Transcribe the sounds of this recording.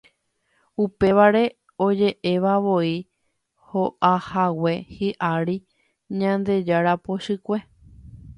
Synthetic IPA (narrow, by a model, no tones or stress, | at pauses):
upe̞ʋaɾe̞ | o̞d͡ʒe̞ʔe̞ʋaʋo̞i | ho̞ʔahawe̞hiʔaɾi | ɲãnd̪e̞d͡ʒaɾapo̞ʃɨkʷe̞